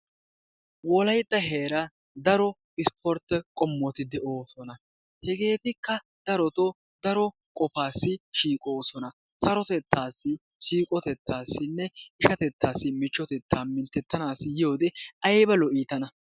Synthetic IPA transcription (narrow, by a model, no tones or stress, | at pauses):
wɔlɐjt̪ʼːɐɦeːɾɐ | d̪ɐɾɔ | ɪspʰɔɾt̪ɛkʼɔmːɔt̪ɪd̪ɛʔo̞ːsɔnɐ | hɛɡe̞ːt̪ɪkːɐ | d̪̥ɐɾɔt̪ɔ | d̪ɐɾɔ | kʼɔfaːsːɪʃiːkʼo̞ːsɔnɐ | sɐɾɔt̪ɛt̪ʰːaːsːɪ | ʃiːkʼɔt̪ɛt̪ːaːsːɪnːɛɪʃɐt̪ɛt̪ːaːsːɪmɪt͡ʃːɔt̪ɛt̪ːaːmːɪnt̪ɛt̪ːɐnaːsːɪjɪjo̞ːd̪ɛɐjbɐlɔʔiːt̪ɐnɐ